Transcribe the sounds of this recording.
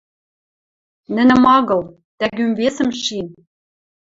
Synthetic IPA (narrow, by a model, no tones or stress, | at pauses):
nɘ̆nɘ̆mɑɣɤ̆lˠ | t̪æɡymvesɘ̆mʃin